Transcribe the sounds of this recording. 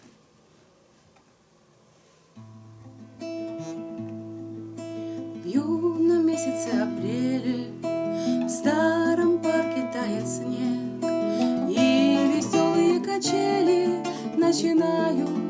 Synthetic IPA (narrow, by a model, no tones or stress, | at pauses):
juvnəmʲesʲɪt̪səɐpɾʲelʲɪ | vst̪aɾəmparkʲɪt̪ajɪt̪snʲe | k | ivʲɪsʲolˠɨjəkɐt͡ɕelʲɪ | nət͡ɕɪnajʊ